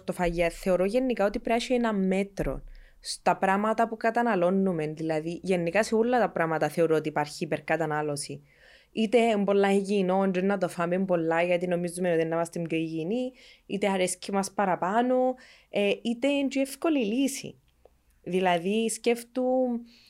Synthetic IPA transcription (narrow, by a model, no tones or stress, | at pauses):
st̪ofɐjɐθe̞o̞ɾoʝe̞nːikao̞t̪ipɾɐʃienɐmːe̞t̪ɾo̞̰n | st̪ɐpɾɐmɐt̪ɐpukɐt̪ɐnɐlo̞nːumenðilɐðiʝenːikɐseolːɐt̪ɐpɾamɐt̪ɐθe̞o̞ɾoot̪iːpaɾçiːpeɾkɐt̪ɐnalosi | it̪e̞mbolːaiʝino̞nd͡ʒinːɐt̪ofɐmembo̞lːɐʝɐt̪ino̞mizumenoinːɐmɐst̪emɟoiʝiniit̪eɐɾescimɐspɐɾɐpano | eit̪e̞nd͡ʒuefko̞lilisḭ | ðilɐðisceft̪u